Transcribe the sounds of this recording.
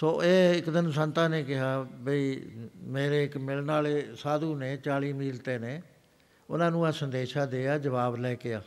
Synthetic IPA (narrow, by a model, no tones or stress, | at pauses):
soːʔeːɪkd̪ɪnsənt̪ãːneːkɪɦaːbəiːmeːɾeːɪkmɪlnaːleːsaːd̪uːneːt͡ʃaːliːmiːlt̪eːneː | ʊ̰nãːnũːãːsənd̪eːʃaːd̪eːaːd͡ʒəʋaːblɛːkeaː